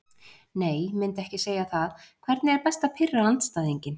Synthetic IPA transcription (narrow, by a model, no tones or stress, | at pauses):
neːjmɪnt̪ɛhcɪseːjaθaðkʰv̥ɛɾt̪nɪɛɾpɛst̪apʰɪrːaant̪st̪aːðiɲcɪn